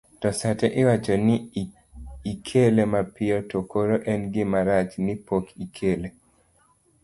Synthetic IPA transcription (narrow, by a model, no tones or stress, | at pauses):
tɔsatɛʔɪwat͡ʃɔnɪ | ikʰelemapɪɔtokoɾoʔɛnɡɪmaɾat͡ʃnɪpokikʰele